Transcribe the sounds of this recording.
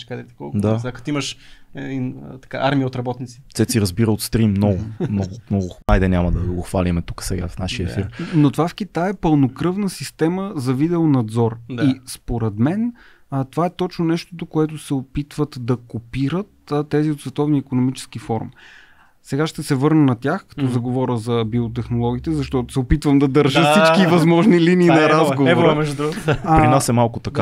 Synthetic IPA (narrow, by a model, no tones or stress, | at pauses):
kd̪ɛt̪i̥kɔ̰lˠkd̪aakɐ̥t̪iməʃɛd̪int̪ɐ̥ka̰ʔaɾmiəot̪ɾɐbɔt̪nit̪si̥t̪sɛt̪siɾɐzbiɾəot̪st̪ɾimːnɔɡʊmnɔɡʊmnɔɡʊajd̪ɛnʲamɐd̪ɐɡoxvalimɛt̪ukə̥sɛɡafnaʃfiəfiɾnot̪ovafkit̪ajɛpəlˠnokɾɤvnəsist̪ɛməzɐvid̪ɛonɐd̪zɔɾd̪aispoɾɛd̪mɛn | ət̪ovaɛt̪ɔt͡ʃnonɛʃt̪o̥d̪okoɛt̪ʊsɛopit̪vət̪d̪ɐkopiɾət̪ːt̪ːɛziot̪svɛt̪ɔvniːkonomit͡ʃɛ̥skifɔɾṵm | sɛɡaʃt̪ɛsɛvɤɾnənɐt̪ʲjaxkɐ̥t̪ɔzɐɡovɔɾəzɐbiot̪̬ɛxnolˠɔɡ̟iːt̪ɛzɐʃt̪ɔt̪ʊ̥sɛopit̪vəmd̪ɐd̪əɾʒəfsit͡ʃkivɐzmɔʒniliniːnɐɾazɡovoɾɾmɛʒd̪ɾuɾɾinasɛmalˠkʊt̪ɐka